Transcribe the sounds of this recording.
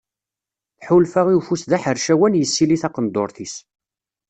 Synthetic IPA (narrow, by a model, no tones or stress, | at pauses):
θħulfæʁiufusðæħəɾʃæwænjəsːiliθɑqənd̪oɾˤθis